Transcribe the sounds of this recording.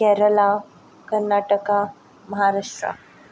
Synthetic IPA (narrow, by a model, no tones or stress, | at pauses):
kɛɾəla | kəɾnaʈəka | məɦaɾaʂʈɾa̰